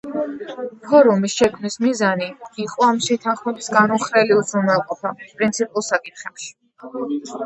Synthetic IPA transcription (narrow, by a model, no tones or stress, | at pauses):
pʰɔɾumisʃɛkʰmnismizaniiqʼɔamʃɛt̪ʰanχmɛbisɡanɔχɾɛliud̪zɾunmɛlˠqʼɔpʰapʼɾint̪sʰipʼulˠsakʼit̪χɛpʃi̥